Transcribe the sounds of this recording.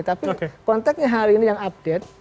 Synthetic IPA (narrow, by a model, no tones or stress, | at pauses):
t̪apikkɔnt̪ɛk̚sɲaɦaɾiːnijaŋab̚d̥et̪̚